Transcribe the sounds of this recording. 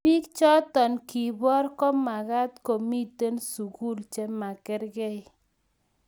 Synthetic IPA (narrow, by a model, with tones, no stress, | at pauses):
pi˦kt͡ʃɔ˦t̪ɔ˨nki˨bɔ˦ɾkɔ˦ma˨ɡa˦t̪ko˨mi˦t̪e˦nsu˨ku˦lt͡ʃɛ˦ma˨kɪ˦ɾɡɛ˦j